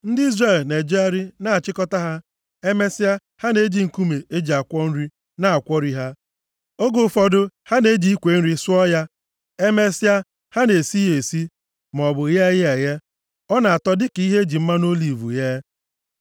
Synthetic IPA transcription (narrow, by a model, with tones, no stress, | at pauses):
n̩˦di˦zre˦˨lne˨d͡ʒe˦a˦ɾi˦na˦˨t͡ʃɪ˦kɔ˦ta˦ɦa˦ | e˦me˦sɪ˦a˦ | ha˦ne˦d͡ʒi˨ŋ̩˨ku˦me˨e˦d͡ʒi˨a˨kʷɔ˦n̩˦ɾi˦ | na˦a˨kʷɔ˦ɾi˦ɦa˦ | o˦ɡo˨fɔ˦dʊ˦ha˦ne˦d͡ʒi˦i˦kʷe˨n̩˦ɾi˦sʊ˦ɔ˦ja˦ | e˦me˦si˦a˦ | ha˦ne˨si˦je˨si˦ | m˨ɔ˨bʊ˨je˦je˨ɣe˦ | ɔ˦na˨a˨tɔ˦dɪ˦ki˦ɦe˦d͡ʒi˨m̩˦ma˦no˦li˨vṵ˨je˦